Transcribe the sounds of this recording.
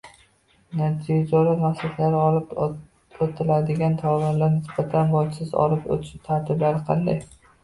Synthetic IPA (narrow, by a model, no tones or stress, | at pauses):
nat̪ʰid͡ʒalaɾmaqsat̪ʰlaɾɪɒlˠɪp | ot̪ʰɪlad̪ɪɡʲant̪ʰɒvaɾlaɾnɪsbat̪ʰanbɒt͡ʃsɪzɒ̰lɪpo̰t̪ʰɪ̥ʃɪt̪ʰaɾt̪ʰɪblaɾɪqʰɑ̰nd̪a̰j